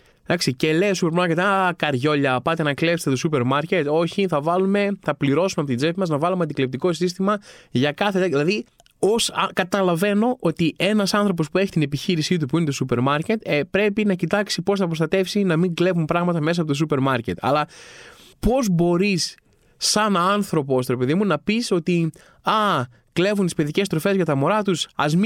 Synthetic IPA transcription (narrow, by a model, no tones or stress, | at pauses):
d̪ɐksice̞le̞osupe̞ɾmɐɾcet̪akɐɾʝo̞ʎɐpɐt̪e̞nɐkle̞fst̪et̪o̞supe̞ɾmɐɾce̞t̪o̞çiθɐvɐlume̞θɐpliɾo̞sumeɐpot̪id͡zepimɐznɐvɐlumeɐnd̪iklept̪iko̞sis̬t̪imɐʝɐkɐθet̪ɐðilɐði | o̞skɐt̪ɐlɐve̞no̞ʔot̪ie̞nɐsɐnθɾo̞p̬o̞spue̞çi̥t̪ine̞piçiɾisit̪̬upuinet̪o̞supe̞ɾmɐɾce̞t̪pɾe̞pinɐcit̪ɐksipo̞sθɐpɾo̞st̪ɐt̪e̞fsinɐmiŋɡle̞vumpɾɐɣmɐt̪ɐmes̬ɐpo̞t̪os̬upe̞ɾmɐɾce̞t̪ʰɐ̰lɐ | po̞zbo̞ɾis | ɐnɐnθɾo̞post̪oɾepe̞ðimunɐpiso̞t̪i | ɐ | kle̞vunt̪ispe̞ðice̞st̪ɾo̞fe̞zʝɐt̪ɐmoɾɐt̪usɐ̰zm